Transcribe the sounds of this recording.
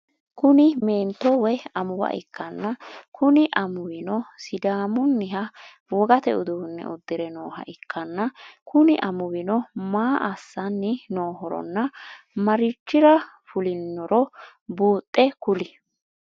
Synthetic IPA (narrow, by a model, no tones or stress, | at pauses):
kʊnɪme̞ːnt̪ːɔwɛɐmʊwɐ̰ʔɪkːɐnːɐkʊnɪʔɐmʊwɪnɔsɪd̪aːmʊnːɪɦɐ | wɔɡɐt̪ɛ̰ʊd̪uwnːɛ̰ʔʊd̪ːɪɾɛnoːɦɐ̰ʔɪkʰːɐnːɐkʊnɪʔɐmʊwɪnɔmaːʔɐsːɐnːɪnoːɦɔɾɔ̰nːɐ | mɐɾɪt͡ʃːɪɾɐ | fʊlɪnːɔɾɔ | buːt̪ʼːɛkʊlɪ